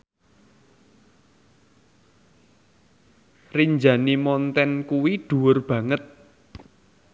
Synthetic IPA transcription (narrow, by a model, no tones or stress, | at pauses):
riɲd͡ʒanimɔnt̪ɛnkuwiɖ̪̥ṳwʊrb̥ä̤ŋət̪̚